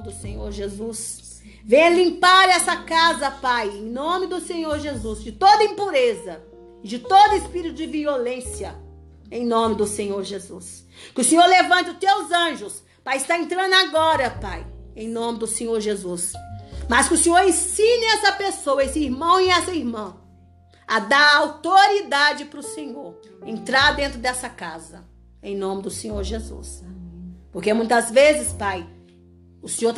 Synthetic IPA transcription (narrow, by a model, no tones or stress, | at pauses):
d̪ʊsẽɲoɾʒezus | vẽj̃ɐlĩmpaɾɛsɐkazɐpajẽj̃nõmɪd̪ʊsẽɲoɾʒezuzd͡ʒɪt̪od̪ɐĩpuɾezɐ | ɪd͡ʒɪt̪od̪ʊɪspiɾit̪ʊd͡ʒɪviolẽsjɐ | ẽj̃nõmɪd̪ʊsẽɲoɾʒezus | kɪʊsẽɲoɾlevɐ̃nt̪ɪʊt̪ewzɐ̃ʒʊs | pajɪst̪aẽnt̪ɾɐ̃nd̪ʊaɡɔɾɐpajẽj̃nõmɪd̪ʊsẽɲoɾʒezusmɐskɪʊsẽɲoɾẽsĩnɪɛsɐpesowɐesɪiɾmɐ̃w̃iɛsɐiɾmɐ̃w̃ | ɐd̪aɾawt̪oɾid̪ad͡ʒɪpɾʊsẽɲoɾ | ẽnt̪ɾaɾd̪ẽnt̪ɾʊd̪ɛsɐkazɐ | ẽj̃nõmɪd̪ʊsẽɲoɾʒezṵs | poɾkemũj̃t̪ɐzvezɪspaj | ʊsẽɲoɾ